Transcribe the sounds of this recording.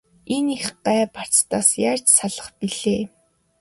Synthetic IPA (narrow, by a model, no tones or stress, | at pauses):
enixɢæːpar̥t͡st̪aːsjaːr̥t͡ɕsaɮə̆χpiɮeː